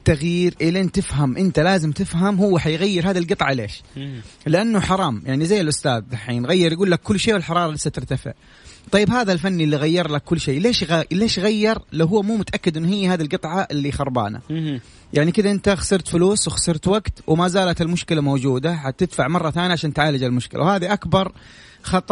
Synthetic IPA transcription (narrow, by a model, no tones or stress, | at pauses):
t̪ːaɣjiːɾʔɪleːnt̪ɪfɦamʔɪnt̪alaːzɪmt̪ɪfɦamhʊwːaħajɣajːɪɾɦaːðilɡɨt̪ˤʕɑleːʃlɪʔanːʊħɑɾˤɑːmjaʕnizajːɪlʔʊst̪aːðːaħḭːnɣajːɪɾˤjɡuːlːakːʊlːʃeːwɪlħɑɾˤɑːɾˤɑlɪsːat̪ɪɾt̪afɪ̰ʕ | t̪ˤɑjːɪbhaːðalfanːiʔlːiɣajːɑɾˤlakʰːʊlːʃeːleːʃɣaleːʃɣajːɑɾˤlawɦʊːmuːmʊt̪aʔakːɪd̪ʔɪnːʊhɪjːahaːðilɡɨt̪ˤʕɑʔɪlːixɑɾˤba̰ːna̰ | jaʕnikɪðaʔɪnt̪axḁsɪɾt̪fɪluːswɪxḁsɪɾt̪waɡt̪wmazaːlat̪ɪlmʊʃkɪlamoːd͡ʒuːd̪aħat̪ɪd̪faʕmɑrˤːɑt̪aːnjaʕaʃaːnt̪ʕaːlad͡ʒalmʊʃkɪla̰whaːðiʔakbɑɾˤ | xɑt̪ˤɑ